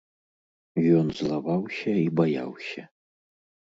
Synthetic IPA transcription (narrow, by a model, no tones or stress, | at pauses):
jɔnzlˠavawsʲɐibaja̰wsʲɐ